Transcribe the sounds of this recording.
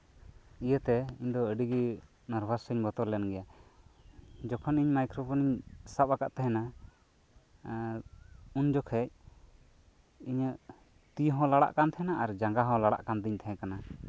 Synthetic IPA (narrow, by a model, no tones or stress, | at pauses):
ijət̪ɛiɲd̪ɔəɖiɡi | naɾbʱassəɲbɔt̪ɔɾlɛnɡɛja | d͡ʒɔkʰɔniɲmajkɾɔbɔniɲsap̚akaʔt̪ɛɦɛ̃na | und͡ʒɔkʰɛc̚ | iɲəʔ | t̪iɦɔ̃laɽa̰ʔkant̪ʰɛɦɛnaaɾd͡ʒaŋɡaɦɔ̃laɽa̰ʔkand̪iɲt̪ʰɛɦɛ̃kana